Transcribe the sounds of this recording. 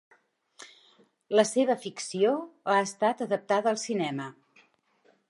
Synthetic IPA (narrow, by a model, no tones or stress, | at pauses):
ləseβ̞əfiksioaəst̪at̪əðəp̚t̪aðəːlˠsinɛmə